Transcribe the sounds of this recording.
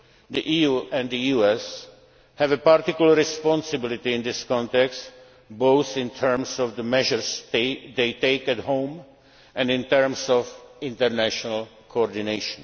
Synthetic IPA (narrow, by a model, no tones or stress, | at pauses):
d̪iʔijuʔɛ̃ndd̪ijuɛs | hævɨpaɾt̪ɪkjulˠəɾɪspɔ̃nsɨbɪlɪt̪iɪ̃nd̪ɪskɔ̃nt̪ɛkst | boʊθɪ̃ntʰɜɹmsɔvðəmɛʒəɹzðeɪteɪkæthõʊ̃m | ɛ̃ndɪ̃nt̪əɹmsɔvɪ̃ntəɾnæʃɔnəl̩ | kʰoɔɹdɪneɪʃɔ̃n